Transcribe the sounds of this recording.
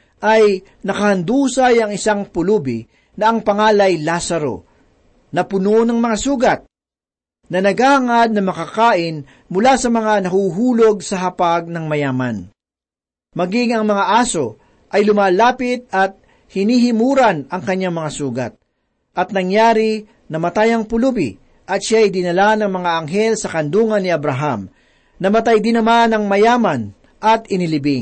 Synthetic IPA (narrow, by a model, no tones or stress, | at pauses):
ʔɐj | nɐkɐhɐnd̪uːsɐjɐŋɪsaŋpʊluːbɪ | nɐʔɐŋpɐŋaːlɐjlasɐɾo̞̰ | nɐpʊnonɐŋmɐŋasuːɡɐt̪̚ | nɐnɐɡaːhɐŋad̪̚nɐmɐkakaːʔɪn | mʊlasɐmɐŋanɐhuːɦuːlo̞ɡ̚sɐɦɐpaɡ̚nɐŋmɐjaːmɐ̰n | mɐɡɪŋɐŋmɐŋaʔaːso̞ | ʔɐjlʊmaːlaːpɪt̪̚ɐt̪̚ | hɪniːhɪmuːɾɐnɐŋkɐɲːaŋmɐŋasuːɡɐ̰t̪̚ | ʔɐt̪̚nɐŋjaːɾɪ | nɐmɐt̪ajɐŋpʊlubɪ̰ | ʔɐt̪̚ʃajd̪ɪnɐlanɐŋmɐŋaɐŋɦɛlsɐkɐnd̪uːŋɐnːɪɐbɾɐɦam | nɐmɐt̪ajd̪ɪnːɐmanɐŋmɐjaːmɐn | ʔɐt̪ɪnɪlɪbɪŋ